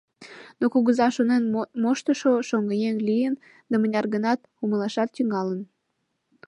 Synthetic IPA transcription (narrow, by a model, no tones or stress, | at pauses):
nokuɣəzɑʃonenmoʃt̪əʃoʃoŋɡəjeŋlijən | d̪ɑmənʲɑrɣənɑt̪̚ | uməlɑʃɑt̪ːyŋɑlən